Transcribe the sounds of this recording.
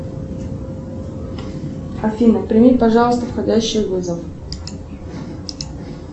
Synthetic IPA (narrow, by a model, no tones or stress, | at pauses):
ɐfʲinəpɾʲɪmʲipɐʐɑlˠəst̪əfxɐdʲæɕːɪjvɨzəf